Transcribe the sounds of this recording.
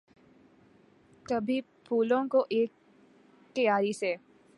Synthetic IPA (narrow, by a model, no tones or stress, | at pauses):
t̪ɐbʱi | pʰuːlõkoʔeːk | t̪ɐjaːɾise